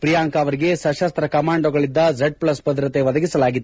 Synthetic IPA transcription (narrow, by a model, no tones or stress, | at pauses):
pɾijaːŋkɐɐʋɐɾiɡe̞sɐʃɐst̪ɾɐkɐmaːɳɖoɡɐɭid̪ːɐd͡ʒeɖ̚plɐsbɐd̪ɾɐt̪eʋɐd̪ɐɡisɐlaːɡit̪ː